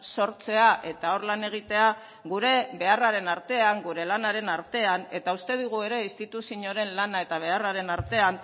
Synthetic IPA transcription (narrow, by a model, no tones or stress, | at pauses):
so̞ɾt͡se̞aʔe̞t̪ao̞ɾlane̞ɣ̞it̪e̞a | ɣuɾe̞βe̞araɾe̞naɾt̪e̞aŋɡuɾe̞lanaɾe̞naɾt̪e̞ane̞t̪aust̪e̞ðiɣ̞ue̞ɾe̞ist̪it̪usiɲo̞ɾe̞nlanae̞t̪aβ̞e̞araɾe̞naɾt̪e̞an